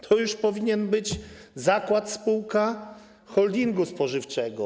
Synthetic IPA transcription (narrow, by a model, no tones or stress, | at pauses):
t̪ʰɔjuʂpɔvʲiɲɛnbɘd͡ʑzakwat̪spuwka | xɔld̪ʲiŋɡuspɔʐɘft͡ʂɛɡɔ